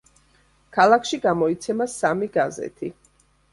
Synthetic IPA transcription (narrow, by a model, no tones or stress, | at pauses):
kʰalˠakʰʃiɡamɔit̪sʰɛmasamiɡazɛ̰t̪ʰi